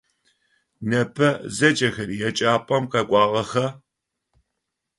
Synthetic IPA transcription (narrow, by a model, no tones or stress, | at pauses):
nɐpʰɐzɐd͡ʒʼɐxɐɾijɛt͡ʃʼaːpʼɐmqɐkʷʼɑːʁɐxɐ